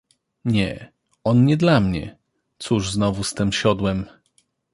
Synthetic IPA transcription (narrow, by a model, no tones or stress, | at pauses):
ɲɛ | ɔnɲɛd̪lamɲɛ̰ | t̪suʐznɔvust̪ɘmɕɔd̪wɛm